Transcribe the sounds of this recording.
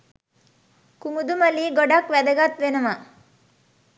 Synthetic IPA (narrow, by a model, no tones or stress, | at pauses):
kumud̪umɐliːɡoɖakʋæd̪ɐɡat̪ʋenɐma